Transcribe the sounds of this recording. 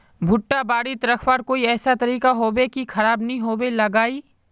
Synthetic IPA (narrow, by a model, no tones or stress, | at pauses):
bʱʊʈːabaːɽit̪ɾɐkʰwaːɾkoːiɛːsat̪ɐɾiːkaɦoːbekikʰɐɾaːbnɐɦĩɦoːbelɐɡaːiː